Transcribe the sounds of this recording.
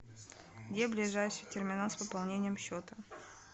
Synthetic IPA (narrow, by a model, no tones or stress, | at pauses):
ɡdʲeblʲɪʐajʂɨtʲɪrmʲɪnanspəpɐlˠnʲenʲɪjəmɕːot̪ə